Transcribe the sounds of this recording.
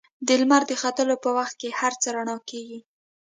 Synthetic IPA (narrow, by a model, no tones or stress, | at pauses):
d̪əlmaɾd̪əxat̪əlopəwaxt̪̚kehaɾt͡səɾaɳɑkeɡi